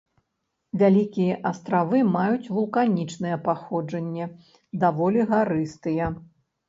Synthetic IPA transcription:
vʲalʲikʲijɛʔɐst̪ɾavɨmajut͡sʲvulˠkanʲit͡ʂnɨjɛpaxɔd͡ʐɐnʲːɛ | d̪avɔlʲiɣaɾɨst̪ɨjɛ

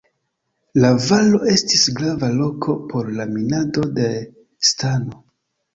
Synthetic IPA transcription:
lavalo̞e̞stisɡɾavalo̞kʰo̞pʰo̞ɾlaminado̞de̞ | stano

